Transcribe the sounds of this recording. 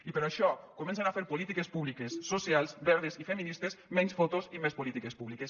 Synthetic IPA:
ipeɾaʃɔkomẽnsenafeɾpolit̪ikespuβlikesːosjalˠsbɛɾðesifeminist̪esmɛ̃nsfot̪osimespolit̪ikespuβlikes

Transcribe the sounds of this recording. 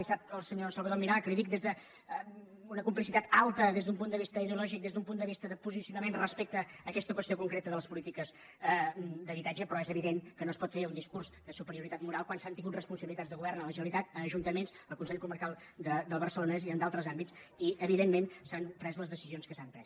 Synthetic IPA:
isap̪̚əlˠsəɲosəlβəðoɾmiɾalkɾiβik̚d̪ezðə | unəkumplisit̪at̪alˠt̪əðezðump̬unt̪d̪əβist̪əiðeulɔʒik̚d̪ezðumpunt̪d̪əβist̪əðəpuzisiunəmenrəspɛk̚t̪əːkɛst̪əkwəst̪iokuŋkɾet̪əðələspulit̪ikəz | d̪əβit̪ad͡ʒəpɾɔɛzəβiðeŋkənoəspɔt̪feɾuniskuɾzd̪əsupəɾiuɾit̪at̪muɾalˠkwansant̪iŋɡut̪rəspunsəβilit̪add͡zðəɣuβɛrnələʒənəlit̪at̪əəʒunt̪əmensəlˠkunsɛʎkuməɾkalˠ | d̪əd̪əlˠβəɾsəlonɛziənd̪alˠt̪ɾəzambitt͡siəβiðemːensanpɾɛzləzðəsizionskəsampɾɛs

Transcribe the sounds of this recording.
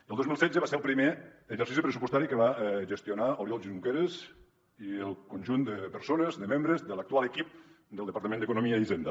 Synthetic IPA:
əlˠd̪ozmilˠsɛdd͡zəβaseɾəlˠpɾimeːzəɾsisipɾəsupust̪aɾikəβaʒəst̪jonaoɾjɔlˠʒizukeɾez | iəlˠkonʲʒund̪əpəɾsonəzd̪əmembɾəzðələk̚t̪ualəkip̚ | d̪əlˠd̪əpaɾt̪əmẽnd̪əkunomiaizend̪ə

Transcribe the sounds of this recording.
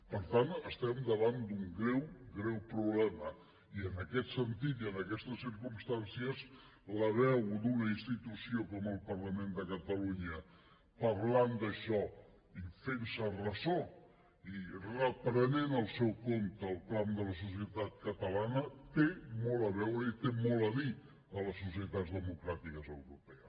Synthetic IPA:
pəɾt̪anəst̪ɛmd̪əβand̪uŋɡɾɛwɡɾɛwpɾuβlɛmə | iənəkɛt̪sənt̪it̪iənəkɛst̪əsiɾkumst̪ansiəs | ləβɛwd̪unəinst̪it̪usiokɔməlˠpəɾləmend̪əkət̪əluɲə | pəɾland̪əʃɔ | ifensərəzo | irəpɾənenəlˠsɛwkomt̪əːlˠklamd̪ələs̬us̬iət̪at̪̚kət̪əlanət̪emɔləβɛwɾəit̪emɔlˠəði | ələsːus̬iət̪azd̪əmukɾat̪ikəzəwɾupɛə

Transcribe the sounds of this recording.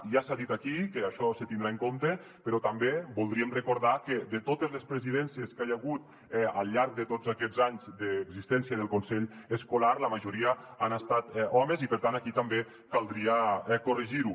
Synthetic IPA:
ʒasaðit̪akikəaʃɔsət̪ind̪ɾaeŋkont̪ə | pəɾɔt̪ambebulˠd̪ɾiəmrəkuɾðakəd̪ət̪ot̪əzləspɾeziðɛnsjəskajaɣ̞ut̪ | ɛalˠʎaɾk̚d̪ət̪od͡zakɛzaɲzd̪əːɡzist̪ɛnsjiəðəlˠkonsɛʎəskulaɾləmaʒuɾiəanast̪at̪ɔməzipəɾt̪anakit̪ambe | kalˠd̪ɾiakoriʒiɾu

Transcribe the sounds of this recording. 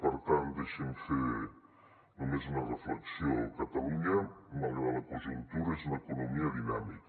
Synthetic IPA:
pəɾt̪and̪eʃeɱfe | numezunərəfləksiokat̪ɐluɲəmalˠʎəβalˠəkuʒunt̪uɾezunəkunumiəðinamik

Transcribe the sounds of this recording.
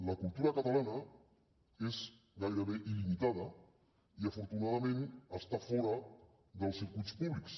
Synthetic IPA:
lɐkulˠt̪uɾɐkat̪alanɐ | ez | ɡajɾəβeʔilimit̪aðɐ | iafuɾt̪unaðamẽnəst̪afɔɾə | ðəlˠsiɾkuspuβliks

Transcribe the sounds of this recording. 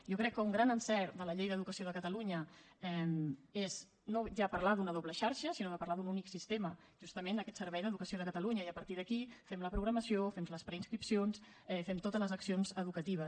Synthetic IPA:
jokɾɛkːəuŋɡɾanənsɛɾd̪ələʎejðəðukəsioðəkət̪əluɲə | ɛmez | noʒapəɾlaðunəðoβləʃaɾʃəsinoðəpəɾlaðununiksist̪emə | ʒ̥ust̪əmenəkɛt̪səɾβɛjðəðukəsioðəkət̪əluɲəiəpəɾt̪iðəkifɛmləpɾuɣɾəməsiofɛmləspɾəinskɾipsions | ɛfɛmt̪ot̪ələzəksionzəðukət̪iβ̞ə

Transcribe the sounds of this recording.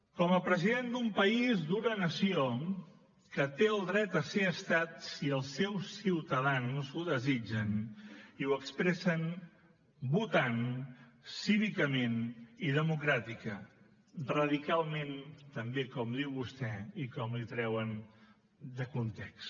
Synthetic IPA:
kɔməpɾəziðend̪umpəizd̪unənəsio | kət̪eəlˠd̪ɾɛt̪əseəst̪at̪siəlˠsːɛwsiwt̪əðanzuðəzid͡ʒəniwəkspɾɛsən | but̪an | siβikəmeniðəmukɾat̪ikə | rəðikalˠment̪əmbekɔmd̪iwβust̪ɛikɔmlit̪ɾɛwən | d̪əkunt̪ɛks

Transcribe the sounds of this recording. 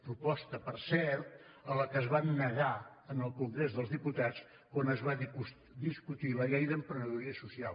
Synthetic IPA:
pɾupɔst̪əpəɾsɛɾt̪̚ | ələkəzβanːəɣa | ənəlˠkuŋɡɾezðəlˠzðiput̪att͡s | kwanəzβa | d̪iskut̪iləɣɛjðəmpɾənəðuɾiəsusial

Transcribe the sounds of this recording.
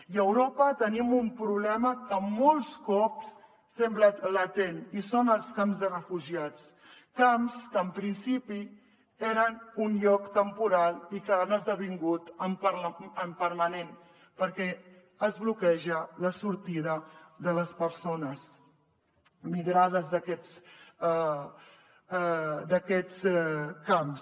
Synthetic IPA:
iəwɾopət̪ənimumpɾuβlɛməkəmɔlˠskɔps | sɛmblələt̪enisonəlˠskamzðərəfuʒiat͡s | kamskəːmpɾinsipi | eɾənunʎɔkt̪əmpuɾalˠikəːnəzðəβ̞iŋɡut̪əmpəɾəmpəɾmənen | pəɾkɛ | əzβlukɛʒələsuɾt̪iðəðələspəɾsonəs | miɣɾað̞əzðəkɛt͡s | d̪əkɛt͡skams

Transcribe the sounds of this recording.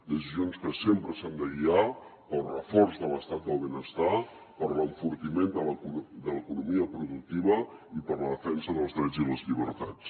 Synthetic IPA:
d̪əsizionskəsempɾəsand̪əʎiapəlˠrəfɔɾzðələst̪at̪̚d̪əlˠβenəst̪a | pəɾləɱfuɾt̪imend̪ələkud̪ələkunumiəpɾuðuk̚t̪iβ̞əipəɾləðəfɛnsəðəlˠzðɾɛd͡ziləzʎiβ̞əɾt̪a̰t͡s

